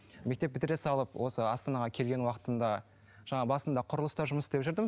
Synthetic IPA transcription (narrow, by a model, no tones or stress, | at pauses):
me̞k̚t̪e̞p̚bɪt̪ɪɾe̞sɑlˠəpwʔo̞səɑst̪ɑnɑʁɑkʲʰe̞lɡʲe̞nwɑqə̥t̪ənd̪ɑ | ʒ̥ɑɴɑbɑsənd̪ɑqʰʊɾəlˠəst̪ɑɾʒʊməsd̪e̞pʒʏɾd̪əmə